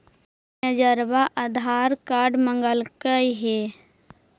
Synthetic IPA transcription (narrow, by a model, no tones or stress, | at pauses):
əd͡ʒəɾbaʔəd̪ʱaɾkaɾɖməŋɡəlkəjɦe